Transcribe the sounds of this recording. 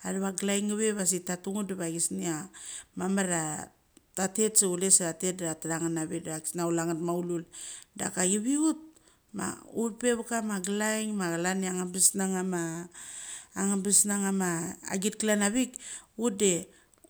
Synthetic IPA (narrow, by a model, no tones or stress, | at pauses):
aɾaβaɡlajŋɡaβe̞βas̬itatuŋudeβaɡisniamamaɾa | tate̞tseulesɾate̞t̚ataɾaŋanaβiakisnaulaŋatmaululda̰kaɡiβiut̚ | ma̰uβpe̞βakamaɡlajŋmaɡlaniaŋabisnaŋama | ŋabisnaŋama̰ːɡit̚klanaβikut̚de̞